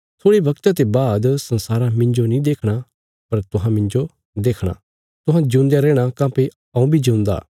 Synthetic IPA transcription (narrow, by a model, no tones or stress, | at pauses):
t̪ʰoːɽibɐkt̪at̪̬ebaːd̪sɐ̃nsaːɾamɪ̃ɲd͡ʒonĩd̪eːkʰɽ̃a | pɐɾt̪ʊɦãmɪ̃ɲd͡ʒo | d̪eːkʰɽ̃a̰ː | t̪ʊɦãd͡ʒũːnd̪jaɾɛːɽ̃akãːpe | ɐ̃ũbʱid͡ʒũːnd̪a̰ː